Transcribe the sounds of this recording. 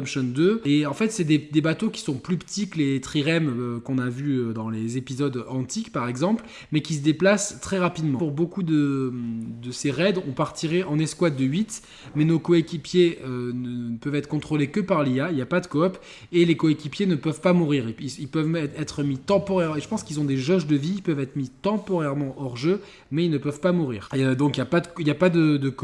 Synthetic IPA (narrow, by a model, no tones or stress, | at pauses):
mʃɔnd̪øeɑ̃fɛt̪sɛd̪ed̪ebat̪okʲi̥sɔ̃plypə̥t̪iklet̪χiʁɛmøkɔ̃navyød̪ɑ̃lezepizɔd̪ɑ̃t̪ikpaʁɛɡzɑ̃pl | mɛkʲis̬əd̪eplast̪χɛʁapid̪mɑ̃uʁbokud̪əmd̪əseʁɛd̪ɔ̃paʁt̪iʁeʔɑ̃nɛskwat̪̚d̪əɥit̪ | mɛnokɔekʲipjeønəpœvɛt̪χəkɔ̃t̪χolekəpaʁliailjapad̪əkɔɔp | elekɔekʲipjenəpœvpamuʁiʁiilpœvɛɛt̪χəmit̪ɑ̃pɔʁɛʁ̃eʒəpɑ̃skilzɔ̃d̪eʒɔʒd̪əviilpœvɛt̪χəmit̪ɑ̃pɔʁɛʁmɑ̃ʔɔʁʒø | mɛilnəpœvpamuʁḭːʁd̪ɔ̃kijapad̪əiljapad̪əd̪ək